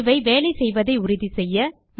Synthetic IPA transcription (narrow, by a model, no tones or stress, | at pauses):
ʋɐɪʋeːlɐɪsɛjʋɐðɐɪʊɾɪðisɛjːɐ | m